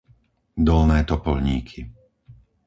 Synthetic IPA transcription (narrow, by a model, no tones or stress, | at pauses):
d̪ɔlnɛːt̪ɔpɔlɲiːkʰi